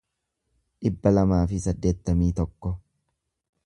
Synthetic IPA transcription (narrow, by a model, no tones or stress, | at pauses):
ᶑɪbːɐlɐmaːfɪsɐd̪ːe̞ːt̪ːɐmiːt̪ɔkːɔ